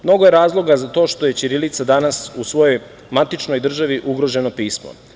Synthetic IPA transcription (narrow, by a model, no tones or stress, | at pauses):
mno̞ɡoje̞ɾaːzlˠo̞ɡazat̪o̞ːʃt̪o̞je̞t͡ʃiɾilit̪sad̪anasusʋo̞jo̞j | mat̪it͡ʃno̞jd̪r̩ʒaʋiʔuɡɾo̞ʒe̞no̞piːsmo̰